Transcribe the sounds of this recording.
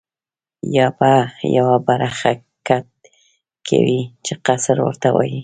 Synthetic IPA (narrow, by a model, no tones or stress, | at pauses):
jɑbajawabaɾaxa | kat̪̚ | kʰa̰wit͡ʃeqasɾwə̰ɾt̪awɑ̰ji